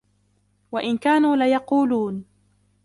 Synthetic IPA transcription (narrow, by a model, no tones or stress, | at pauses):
waʔɪnkaːnuːlajɑquːluːn